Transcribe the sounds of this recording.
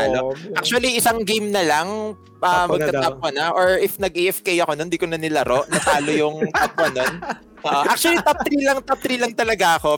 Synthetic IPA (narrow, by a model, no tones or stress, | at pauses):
ɐloʔak̚t͡ʃuɐliʔɪsaŋɡejmnɐlɐŋ | ʔɐmɐkkɐtap̚ɐnɐʔoɹʔɪfnɐɡ̚iʔɛfkejɐkonond̪iːkonɐnɪlɐɾoʔnɐt̪aːlojʊŋt̪ap̚wɐno̞n | ʔoːʔoʔʔak̚t͡ʃʊwɐlit̪ap̚t̪ɾilɐŋt̪ɐp̚t̪ɾiːlɐŋt̪ɐlɐɡaʔɐko̞